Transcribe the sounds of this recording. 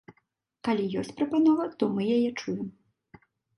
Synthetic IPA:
kalʲijɔsʲt͡sʲpɾɐpanɔvɐt̪ɔmɨjajɛt͡ʂujɛm

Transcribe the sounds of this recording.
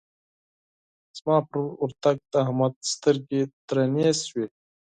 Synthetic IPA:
z̥maːpɾuɾt̪aɡ̚t̪aɦɐmat̪st̪əɾɡet̪ɾɐneːswe

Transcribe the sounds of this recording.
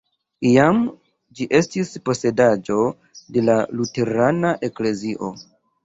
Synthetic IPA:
iam | d͡ʒiʔe̞stispo̞se̞dad͡ʒo̞ | de̞lalute̞ɾanaʔe̞kle̞ziʔo̞

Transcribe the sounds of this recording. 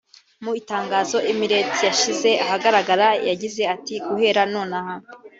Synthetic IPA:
muitaːŋɡaːzo̞ʔimiɾe̞t͡sijaʃize̞ʔaɦaɡaɾaɡaɾajaɟize̞atiɡuhe̞ɾano̞ːnaha

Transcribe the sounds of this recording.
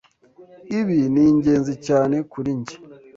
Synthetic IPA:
iβiniːɲɟe̞ːnzicaːne̞kuɾiɲɟi̥

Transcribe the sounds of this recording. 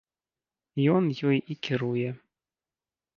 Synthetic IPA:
jɔnjɔjikʲɪɾujɛ

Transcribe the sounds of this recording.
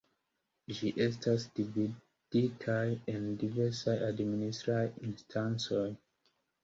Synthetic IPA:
ʃiʔestastubi | d̥itʰajɛ̃ndivɛsaʔadministɹaĩnstʰãnsɔj

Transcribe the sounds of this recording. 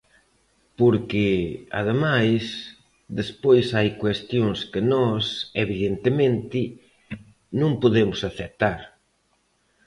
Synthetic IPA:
poɾkɪa̰ðemajs | d̪espojsajkwest̪joŋskɪnɔseβiðent̪ɪmẽnt̪ɪ | nũŋpoðemʊsaθet̪aɾ

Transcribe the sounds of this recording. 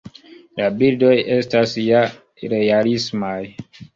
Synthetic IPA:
labildojestasja | ɾealismaj

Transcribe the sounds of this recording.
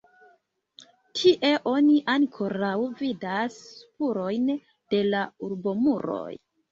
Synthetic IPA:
tʰiʔe̞ʔo̞niʔankʰo̞ɾawvidaspuɾo̞jn | d̥e̞lauɾbo̞muɾo̞̰j

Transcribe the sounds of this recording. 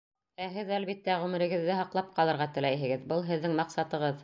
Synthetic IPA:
æɦɘðælβit̪ːæʁʉmɘ̆ɾɘ̆ɡɘ̆ðːɘɦɑqlˠɑp̚qɑlˠɤ̆ɾʁɑt̪ɘ̆læjɦɘ̆ɡɘðbɤlˠɦɘ̆ðːɘŋmɑqsɑt̪ɤ̆ʁɤð

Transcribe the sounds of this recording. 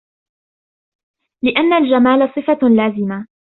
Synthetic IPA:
lɪʔanːald͡ʒamaːlasˤɨfalaːzɪma

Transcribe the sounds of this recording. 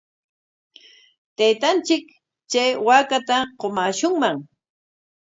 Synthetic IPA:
t̪ajt̪ant͡ʃɪk | t͡ʃajwakat̪aqomaːʃʊŋmaŋ

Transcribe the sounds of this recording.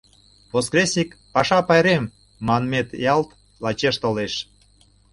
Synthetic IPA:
voskresʲikpɑʃɑpɑjɾem | mɑnmet̪jɑlt̪ | lɑt͡ɕeʃt̪oleʃ

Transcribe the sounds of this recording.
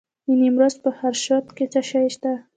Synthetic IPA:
inimɾozpəhaɾʃɑt̪ket͡saʃajʃt̪a

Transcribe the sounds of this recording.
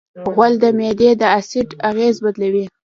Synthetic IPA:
ɣwald̪əmed̪ed̪əasɪʈaɣezbad̪lawi

